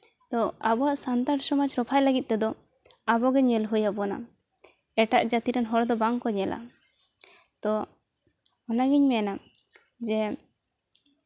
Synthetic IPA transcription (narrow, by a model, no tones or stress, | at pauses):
t̪ɔabɔaʔsant̪aɾsɔmad͡ʒɾɔpʰajləɡit̪̚t̪ːɛd̪ɔ | abɔɡɛɲɛlɦujabɔna̰ | ɛʈaʔd͡ʒat̪iɾɛnɦɔɾd̪ɔbaŋkɔɲɛlʔa̰ | t̪ɔ | ɔnaɡiɲmɛana | d͡ʒɛ